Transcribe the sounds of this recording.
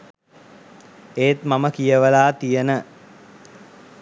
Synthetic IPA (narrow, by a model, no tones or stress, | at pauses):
eːt̪maməkijəʋəlaːt̪ijənə